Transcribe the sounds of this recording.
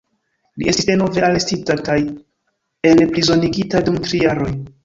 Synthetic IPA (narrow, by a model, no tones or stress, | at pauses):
liʔe̞sti̥sde̞no̞ve̞ale̞stitakaj | e̞lpɾizo̞niɡitadumtɾijaɾo̞j